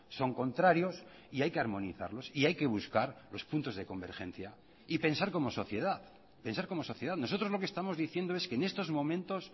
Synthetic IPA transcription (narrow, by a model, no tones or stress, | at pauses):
so̞ŋko̞nt̪ɾaɾjo̞s | iajke̞aɾmõ̞niθa̰ɾlo̞siajke̞β̞uskaɾlo̞spunt̪o̞zðe̞kombe̞ɾxe̞̰n̟θja | ipe̞nsaɾko̞mo̞so̞θje̞ðað | pe̞nsaɾko̞mo̞so̞θje̞ð̞aðnosot̪ɾo̞zlo̞ke̞st̪amo̞zðiθje̞nd̪oe̞skeːne̞st̪o̞zmõ̞mẽnt̪o̞s